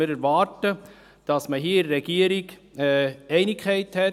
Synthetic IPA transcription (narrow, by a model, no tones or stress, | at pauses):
ɪɾɛɾvɑːɾtə | d̥ɑsməɦiːɪdɾɛɡ̥iəɾɪɡɛɛɪnɪkʰχɛɪthɛ